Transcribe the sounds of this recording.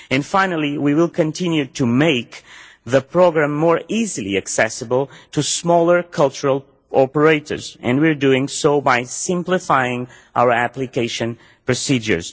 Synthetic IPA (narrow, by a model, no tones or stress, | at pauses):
ɨ̃nfãɪ̃nəl̩ˠiwiwɪlˠkʰɨ̃ntʰɪ̃njutʰumeɪk | ðəpʰɹ̥ɔɡɹæ̃mːɔɹizɨlˠḭɨksɛsɨbəlˠtʰusmɔlˠə˞kʰʌlˠt͡ʃəɹəlˠ | ʔɔpəɹeɪtə̰˞zɛ̰̃ndwiɹduɪ̃ŋsoʊbajsɪ̃mplɪfajɪ̃ŋ | ʔa̰ʊə˞æplɨkeɪʃɨ̃n | pɹɔsid͡ʒə̰˞z̥